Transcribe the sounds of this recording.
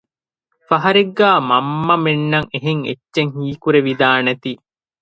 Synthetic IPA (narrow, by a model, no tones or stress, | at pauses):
fɐɦɐɾiɡːæːmɐmːɐmenːɐŋeɦeŋḛtːʃeŋhiːkuɾeʋid̪aːneɐt̪i